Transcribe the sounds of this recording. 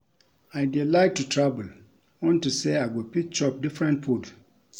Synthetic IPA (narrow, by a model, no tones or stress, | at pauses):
aɪdilaɪt̚tʰːutʰɹabəl | wɔ̃ntuseaɡɔpʰik̚t͡ʃɔp̚difɹɛ̃ntpʰod